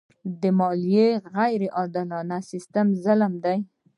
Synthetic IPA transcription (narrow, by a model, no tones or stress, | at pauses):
d̪əmɑlijeɣajɾeʔɑɾd̪alɑnasɪst̪əmzalmd̪aj